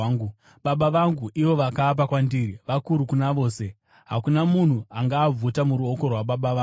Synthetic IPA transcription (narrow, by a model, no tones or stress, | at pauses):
u | ɓaɓaʋaŋɡuʔiʋo̞ʋakaːp̬akwandiɾiʋakuɾukunaʋo̞ːse̞ | ɦa̰kunamun̤uaŋɡaːb͡vutamuɾuo̞ko̞rwaɓaɓaʋ